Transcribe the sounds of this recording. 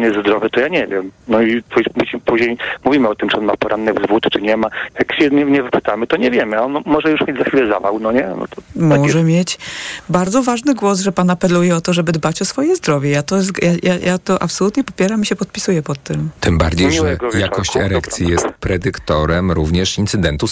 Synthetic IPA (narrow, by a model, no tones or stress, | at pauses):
ɲɛzzd̪ɾɔvɛt̪ɔjaɲɛvʲjɛmnɔipumud͡ʑpuʑɲejmuvʲimɘɔt̪ɘmt͡ʂɨ̥ɔnmapɔɾanːɛvzvut̪t͡ʂɘɲɛmajakɕɛɛɲɛvɘpɘt̪amɘt̪ɔɲɛvʲjɛmɘaɔnmɔʐɛjuʂmʲjed͡ʑzaxfʲilɛza̰vawnɔɲɛnɔ̰t̪ɔmɔʐɛmʲjet͡ɕbaɾd̪zɔvaʐnɘɡwɔsʐɛpanapɛlujɛɔt̪ɔʐɛbɘd̪bat͡ɕɔsfɔjɛzd̪ɾɔvʲjɛjat̪ɔsjajʔajʔat̪ɔʔapsɔlut̪ɲɛpɔpʲjɛɾamiɕɛpɔt̪̚pʲi̥sujɛpɔt̪ːɘmt̪ʰɨmba̰ɾd͡ʑejʐɛɡjakɔɕt͡ɕɛ̰ɾɛkt̪sʲjijɛst̪̚pɾɛd̪ɘkt̪ɔɾɛmɾuvɲɛʂint̪sɘd̪ɛnt̪u